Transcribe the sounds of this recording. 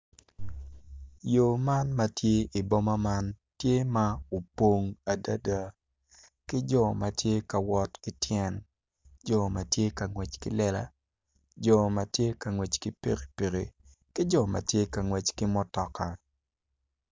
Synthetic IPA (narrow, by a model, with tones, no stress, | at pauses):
jo˨ma˦nma˦tje˦i˨bɔ˦ma˦ma˦n | tje˦ma˦o˨po˦ŋa˨da˦da˦ | kɪ˦d͡ʒɔ˦˨ma˨tje˦ka˨wɔ˦tkɪ˦tjɛ˦n | d͡ʒɔ˨ma˨tje˦ka˨ŋwɛ˨t͡ʃkɪ̰˦lɛ˦la̰˦ | d͡ʒɔ˨ma˨tje˦ka˨ŋwɛ˨t͡ʃkɪ˦pḛ˦ɾe˨pe˨ɾe˨ | kɪ˦d͡ʒɔ˦˨ma̰˨tje˦ka˨ŋwɛ˨t͡ʃkɪ˦mɔ˦tɔ˨ka˨